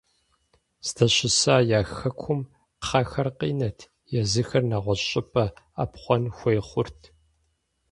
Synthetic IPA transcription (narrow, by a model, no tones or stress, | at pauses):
zdʰɐɕɪsaːjaːxɐkʷʰʊm | χɐxɐrqiːnɐtʰ | jɛzɨxɐrnaʁʷɔɕʼɪpʼɐa̰pχʷɔnxʷeːχʷʊrtʰ